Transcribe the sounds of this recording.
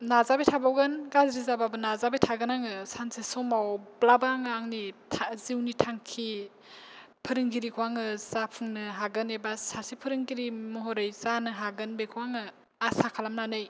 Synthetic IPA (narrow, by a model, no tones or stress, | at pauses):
nazabetʰabawɡɯnɡazɾizababɯnazabetʰaɡɯnaŋɯsansesɔmawblabaŋɯaŋnitʰaziwnitʰaŋkʰi | pʰɯɾɯŋɡiɾikʰwaŋɯzapʰɯŋnɯɦaɡɯnebasasipʰɯɾɯŋɡiɾimɔɦɔɾɯjzanɯɦaɡɯnbekʰuwaŋɯ | asakʰalamnanɯj